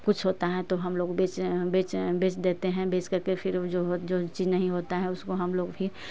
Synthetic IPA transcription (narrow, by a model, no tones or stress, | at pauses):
kʊt͡ʃʰɦoːt̪aɦɛ̃t̪oɦɐmloːɡbeːt͡ʃbeːt͡ʃbeːt͡ʃd̪eːt̪eɦɛ̃beːt͡ʃkɐɾkepʰɪɾd͡ʒoːd͡ʒot͡ʃiːd͡ʒnɐɦĩɦoːt̪aɦɛ̃ʊskoɦɐmloːɡbʱi